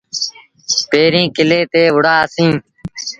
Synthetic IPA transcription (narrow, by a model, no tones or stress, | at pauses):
peːɾĩːkɪleːt̪eːʋʊɽaːsĩː